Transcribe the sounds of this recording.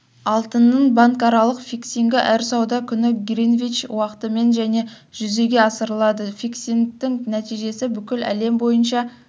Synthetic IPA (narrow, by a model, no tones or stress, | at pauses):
ɑlˠt̪ənːəɴbɑŋkɑɾɑlˠəqfʲiksiŋɡʲɪʔæɾsɑwd̪ɑkʲʰʏnɪɡʲɾinvʲit͡ʃwɑqə̥t̪əme̞nʒæne̞ | ʒ̥ʏze̞ɡʲe̞ɑsəɾəlˠɑd̪əfiksiŋt̪ɪŋnæt̪ijʒe̞sɪbʏkʲɪlæ̰le̞mbo̞jənʃɑ